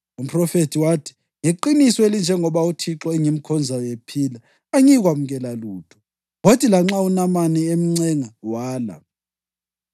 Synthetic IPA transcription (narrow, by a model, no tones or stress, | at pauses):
um̩pʰrɔfetʰiwaːtʰi̥ | ŋeǃinisɔelind͡ʒʱɛŋɔβautʰiǁɔɛŋim̩kʰɔnd͡zʱawepʰiːla | aɲiɣwamuɣɛlaluːtʰɔ̥ | ɣotʰʼilaŋ͡ǁaunamaniem̩ŋ͡ǀɛŋawaːla̰